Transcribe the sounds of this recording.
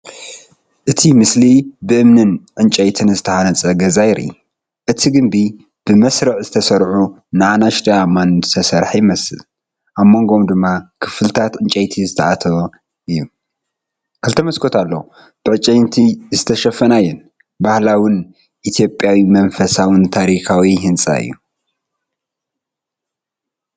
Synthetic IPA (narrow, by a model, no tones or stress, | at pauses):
ʔɨt̪ʰimɨslibɨʔɨmnɨnʕɨnt͡ʃʼɐjt̪ʰɨnzɨt̪ʰɐhanɐt͡sʼɐɡɐzajɾḭ | ʔɨt̪ʰiɡɨmbi | b̥ɨmɐsɾɨʕzɨt̪ʰɐsɐɾħunɨʕanaʃt̪ʰʼɐamansʰɐsɐɾħjɪmɐsɨ̰l | ʔamːo̞ŋɡo̞md̪ɨmːakʰɨ̥flt̪ʰat̪ʕɨnt͡ʃʼɐjt̪ʰizɨt̪ʰɐʔat̪ʰɐβɐ | ʔɨjːu | kʰɐlt̪ʰɐmɐskʰo̞t̪ʰalːo | b̥ɨʕɨt͡ʃʼɐjnt̪ʰizɨt̪ʰɐʃɐfɐnajːɛn | bahlawɨn | ʔit̪ʰjo̞pʼjawimɐnfɐsawɨnt̪ʰaɾixawiɦɨnt͡sʼa̰ɨ̰jːṵ